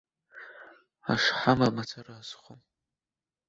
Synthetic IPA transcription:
a̰ʂħamamat͡sʰaraːzχʷom

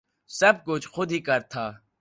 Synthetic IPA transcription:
sɐb̚kʊt͡ʃʰxʊd̪ʱɦikɐɾt̪ʰaː

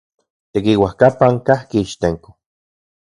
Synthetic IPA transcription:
t̪ekiwahkapaŋkahkiːʃt̪eŋko̥

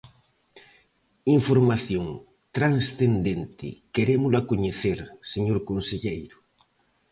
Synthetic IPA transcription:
iɱfoɾmaθjoŋ | t̪ɾaŋsθend̪ent̪ɪ̰keɾemʊlakoɲeθeɾseɲoɾkonseʎejɾʊ

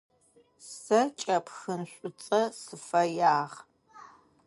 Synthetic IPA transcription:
sɐt͡ʃʼɐpʰxɨnɕʷʼʊt͡sʼɐsɨfɐjaːʁ

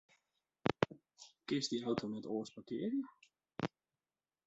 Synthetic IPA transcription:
kɪsdiawtʰonɛtoːspakɪːəɾjə

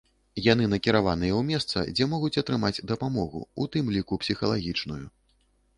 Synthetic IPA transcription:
jan̪ɨnɐkʲiɾavanɨjɐwmʲɛst̪sɐ̰d͡zʲɛmɔɣut͡sʲɐt̪ɾɨmad͡zʲd̪ɐpamɔɣṵut̪ɨmlʲikupsʲixɐlˠaɣʲit͡ʂnuju

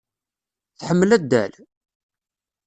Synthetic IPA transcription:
θħəmːəlæd̪ːæ̰l

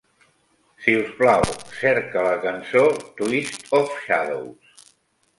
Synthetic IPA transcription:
siusplawsɛɾkələkənsot̪wist̪ofʃaðo̰ws

